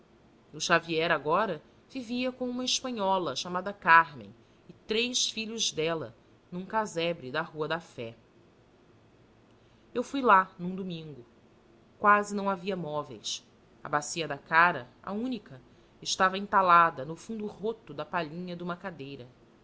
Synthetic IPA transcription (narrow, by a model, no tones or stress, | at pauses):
uʃaviɛɾaɡɔɾɐ | viviɐkõũmɐɪʃpɐ̃ɲɔlɐʃamad̪ɐkaɾmḛ̃j̃ | ɪt̪ɾejʃfiʎʊzd̪ɛlɐ̰ | nũkazɛbɾɪd̪ɐɦuɐd̪ɐfɛ | ewfujlanũd̪umĩŋɡʊ | kwazɪnɐ̃w̃aviɐmɔvḛjs | ɐ̰basiɐd̪ɐkaɾɐ | a̰ũnikɐ | ɪʃt̪avɐĩnt̪alad̪ɐnʊfũnd̪ʊɦot̪ʊd̪ɐpaʎĩɲɐd̪ũmɐkad̪ejɾɐ